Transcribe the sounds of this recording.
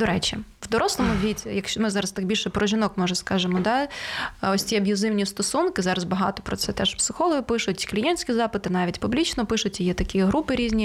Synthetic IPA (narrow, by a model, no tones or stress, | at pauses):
d̪̥ɔɾɛt͡ʃʲiwd̪ɔɾʔɔslˠɔmʊʋʲitʲijɐkʃmɪzɑɾɐst̪ɑɡ̚bʲilʲʃɛpɾɔʒʲɪnɔkmɔʒɛskɑʒɪmɔd̪ɑ | ɔsʲtʲiɐbʲjʊzɪwnʲist̪ɔsunkɪzɑɾɐzbɐɦɑ̰t̪ɔ̥pɾɔt̪sɛt̪ɛʃpsɪxɔlˠɔɦɪpɪʃʊjtʲi̥klʲijɛnʲsʲkʲizɑpɪt̪ɪnɑʋʲitʲpʊblʲit͡ʃnɔpɪʃʊtʲjijɛt̪ɐkʲiɦɾupɪɾʲizʲnʲi